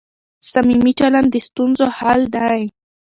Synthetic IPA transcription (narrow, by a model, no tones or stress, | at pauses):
samimit͡ʃaland̪est̪unzohald̪aj